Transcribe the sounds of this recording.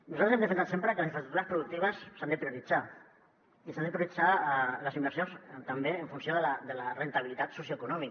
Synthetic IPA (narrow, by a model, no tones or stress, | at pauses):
nuzat̪ɾzɛmd̪əfensat̪sempɾəkələsiɱfəst̪ɾukt̪uɾaəspɾuðuk̚t̪iβəsːand̪əpɾiuɾid͡za | isand̪əpɾiuɾid͡zaləzimbəɾsjonst̪ambeəɱfunsjoðəlad̪əlarent̪aβ̞ilit̪at̪susjoekunɔmik